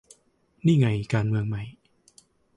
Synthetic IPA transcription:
niː˥˩ŋa˧jkaː˧nmɯ˧əŋma˧˦˩j

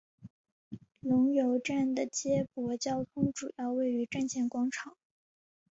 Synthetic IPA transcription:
lʊ˧˥ŋjo˧˥ʊʈ͡ʂa˥˩nd̪ə˩t͡ɕjɛ˥pwɔ˧˥t͡ɕjɑ˥ʊt̪ʰʊ˥ŋʈ͡ʂu˨˩jɑ˥˧ʊwe˥˩ɪy˧˥ʈ͡ʂa˥˩˧nɕʰjɛ˥nkwɑ˥ŋʈ͡ʂʰɑ˨˩˦ŋ

